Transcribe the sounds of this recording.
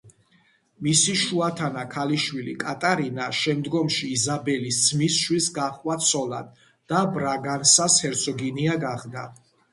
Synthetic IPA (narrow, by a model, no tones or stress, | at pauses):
misiʃuat̪ʰanakʰaliʃwilḭkʼat̪ʼaɾinaʃɛmd̪ɡɔmʃiːzabɛlisd̪zmisʃwisɡaχwat̪sʰɔla̰d̪̥ | d̪̥abɾaɡansashɛɾt̪sʰɔɡiniaɡaχd̪a